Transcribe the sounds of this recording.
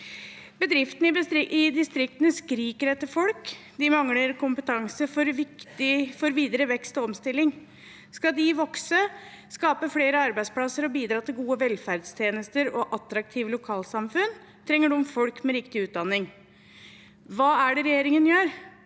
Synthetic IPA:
bəd̪ɾɪft̪ən̩ɪʔɪd̪ɪst̪ɾɪk̚t̪ənəskɾiːkəɾɛt̪ːəɾfɔlk | d̪ɪmɑŋləɾkʰʊmpət̪ʰɑŋsəfɔɾʋɪkt̪ɪfɔɾʋiːd̪əɾəʋɛkst̪ɔɔmst̪ɪlːɪŋ | skɑd̪ɪʋɔksə | skɑːpəfɽeːɾəɑɾbæɪt̪spʰlɑsːəɾɔbiːd̪ɾɑːt̪ɪlɡuːəʋɛlfæɾd̪st̪ʰjeːnəst̪əɾɔʔɑt̪ːɾɑk̚t̪ʰiːʋlʊkʰɑːlsɑmfʉn | t̪ʰɾɛŋːəɖʉɔmfɔlkmɛɾɪkt̪ɪʉːt̪̚d̪ɑnːɪŋ | ʋɑːæɖɛɾɛjeːɾɪŋənjøːɾ

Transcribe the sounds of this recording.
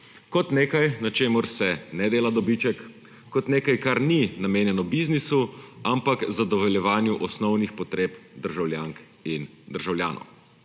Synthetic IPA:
kɔt̪neːkajnat͡ʃeːmʊɾsɛnɛd̪eːlad̪ɔbit͡ʃɛkː | ɔt̪neːkajkaɾninameːnjɛnɔbiznisuampakzad̪ɔʋɛljɛʋaːnjuʔɔsnɔwnixpɔt̪ɾeːpd̪əɾʒawljaŋk | in | d̪əɾʒawljaːnʔɔ̰w

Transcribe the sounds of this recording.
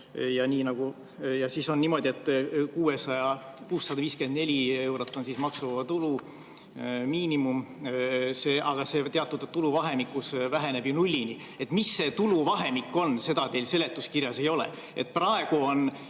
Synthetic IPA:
jɑniːnɑɡ̥u | jɑsiːso̞nːiːmo̞d̪ʲie̞t̪ːkuːe̞sɑjɑkuːsːɑd̪ɑviːske̞nd̪ne̞lʲie̞wɾo̞t̪ːˑo̞nsismɑksuvvɑt̪ulu | miːnimum | se̞ːʔɑɡ̥ɑse̞t̪e̞ɑt̪ːˑud̪ɑt̪ːuluvɑɦe̞mikːˑusvæɦe̞ne̞b̥junulʲːini | e̞t̪ːˑmisːe̞ːt̪uluvɑɦe̞mikːˑo̞nse̞d̪̥ɑt̪e̞ːlse̞le̞t̪ːuskirjɑse̞jo̞lḛ | e̞t̪̚ːprɑe̞ɡ̥uo̞n

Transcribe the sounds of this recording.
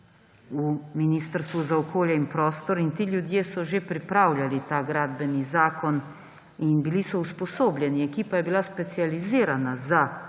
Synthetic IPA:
uminiːst̪əɾst̪ʋuzaɔkoːljɛinpɾɔːst̪ɔɾint̪iːljud̪jeːsɔʒepɾipɾaːwljalit̪aɡɾaːd̪bɛnizaːkɔn | inbilisɔuspɔsoːbljɛniɛkiːpajɛbilaspɛt̪sializiːɾanaza

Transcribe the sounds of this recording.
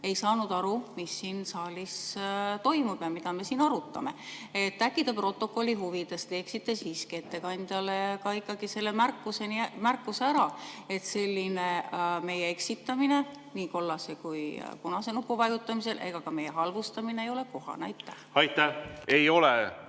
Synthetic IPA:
e̞jsɑːnud̪̥ɑɾumisːiːnsɑːlʲist̪o̞jmub̥jɑmid̪̥ɑme̞siːnɑɾut̪ːˑɑ̰me̞̰et̪ːækːid̪ɑpro̞t̪ːˑo̞kːˑo̞lʲːiɦuvid̪̥e̞st̪e̞ːksit̪ːˑe̞siskie̞t̪ːe̞kɑnʲd̪̥jɑlekɑikːɑɡ̥ise̞lːemærkːˑusenimærkːˑuseæɾɑe̞t̪se̞lʲːineme̞jee̞ksit̪ːˑɑmine̞ | niːko̞lːɑsekujkunɑse̞nukːuvɑjut̪ːˑɑmise̞lʔe̞̰ɡ̥ɑkɑme̞jeɦɑlvust̪ɑmineːjo̞le̞ko̞ɦɑ̰nɑ̰jt̪ːˑæhɑjt̪ːæejo̞leɛ

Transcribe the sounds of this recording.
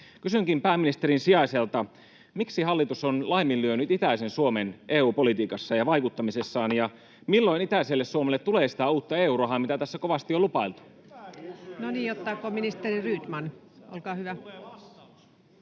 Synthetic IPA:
kysyŋkimpæːmːinist̪eɾinsiɑiselt̪ɑ | miksihɑlːit̪usonlɑimːilːyønyt̪it̪æisensuomenʔeːuːpolit̪iːkɑsːɑjɑʋɑikut̪ːɑmisesːɑːnjɑ | milːo̞init̪æiselːessuomelːet̪t̪ːuleːsi̥t̪æuːt̪ːɑeːuːɾoɦɑmit̪æt̪æsːæko̞ʋɑst̪iolupɑilt̪u̥ | noniːjot̪ːɑkominist̪eriryːt̪mɑnʔolkɑːhyʋæ

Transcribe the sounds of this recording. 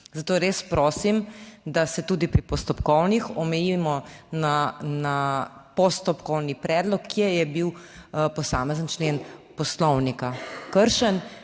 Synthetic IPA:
zat̪oːɾespɾoːsimd̪asɛt̪uːd̪ipɾipɔst̪ɔpkɔwnixɔmɛjimɔnanapɔst̪ɔpkɔwnipɾɛːd̪lɔkʰːjɛjɛbiwpɔsaːmɛzənt͡ʃleːnpɔslɔwnikakəɾʃən

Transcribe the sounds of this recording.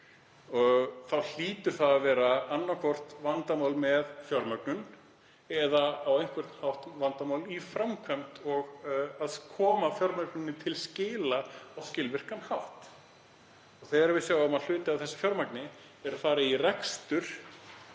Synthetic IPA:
ɔɣθawl̥iːt̪ʏɾ̥θaðavɛːɾaanːakʰɔr̥t̪vant̪amawlmɛðfjɔɾmœknʏn | ɛðaːwejn̥kvɛr̥t̪n̥hawht̪vant̪amawlifɾamkʰœm̥t̪ɔɣaðkʰɔːmafjɔɾmœknʏnːɪt̪ʰɪlscɪːlaɔwscɪlvɪr̥kanhawht̪ | ɔɣθɛɣaɾvɪðsjaːwʏmaðl̥ʏːt̪ɪavθɛsːḁfjɔɾmaknɪ | ɛɾafaːɾɪirɛkst̪ʏɾ̥

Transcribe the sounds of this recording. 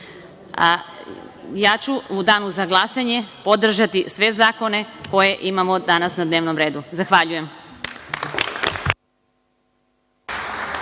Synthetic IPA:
jaːt͡ɕuud̪aːnuzaɡlˠasaɲe̞pod̪r̩ʒat̪isʋe̞zaːko̞ne̞ko̞je̞ʔimamod̪anasnad̪neːʋnomɾe̞ːd̪uzaxʋaʎuje̞m

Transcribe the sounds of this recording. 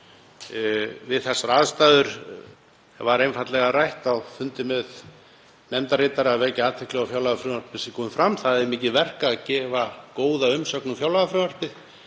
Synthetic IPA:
vɪðθɛsːaɾaːðst̪aːðʏɾ̥ | vaɾejnfat̪lɛɣaɾajht̪awfʏnt̪ɪmɛð | nɛmt̪aɾɪːt̪aɾavɛɾcɪaːt̪ʰɛklɛɣafjawlaɣafɾʏaɾ̥pɪsɪkʰɔːmʏfɾamθaðɛmiːcɪvɛr̥kaðcɛːvakoːwðaʏmsœknʏfjawlaɣafɾʏnar̥pɪð

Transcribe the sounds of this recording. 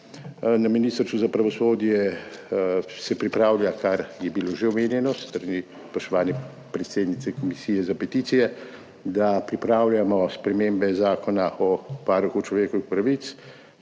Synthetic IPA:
naminist̪ɾsuzapɾaʋɔsoːd̪jɛ | sɛpɾipɾaːwlʲjakaɾjɛbiloʒeɔmeːnjɛnɔst̪ɾani | spɔʃt̪ɔʋaːnjɛ | pɾɛt̪seːd̪nit̪sɛkɔmisiːjɛzapɛt̪iːt̪sijɛ | d̪apɾipɾaːwlʲjamɔspɾɛmeːmbɛzaːkɔnaʔɔpaːɾuxut͡ʃlɔʋeːkɔʋixpɾaʋit̪s

